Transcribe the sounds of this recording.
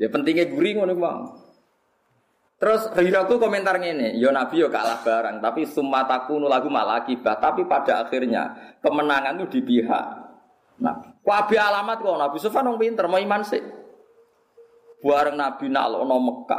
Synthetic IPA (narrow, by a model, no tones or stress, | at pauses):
japənt̪iŋeɡuɾiŋonɪk̚ma̰ŋ | t̪əɾʊsriɾak̪ukɔmɛnt̪arŋenejɔnab̥i̤jɔka̰lahb̥a̤ɾaŋt̪apisumat̪akunulaɡ̥ṳma̰lakib̥aht̪apipad̥a̤axirɲa̰kəmənaŋant̪ud̪̥i̤piɦa̰ʔ | na̰kwab̥e̤alamat̪̚kɔnab̥usufanwɔŋpint̪ərmɔimansɪʔ | b̥ṳaɾəŋnab̥i̤na̰lɔ̰ʔnɔməkːa̰